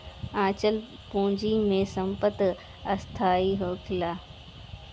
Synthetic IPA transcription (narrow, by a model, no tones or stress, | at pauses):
ãːt͡ɕəl | põːɲd͡ʑimẽsɐ̃mpət̪ | ɐst̪ʰaːiɦoːkʰɪlaː